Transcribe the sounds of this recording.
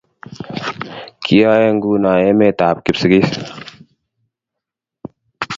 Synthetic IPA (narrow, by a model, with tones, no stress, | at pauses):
kʰi˦aː˦je˦ŋɡuː˦naː˨jeː˦meː˦t̪aː˨p̚kɪ˨psə˨ɡi˦s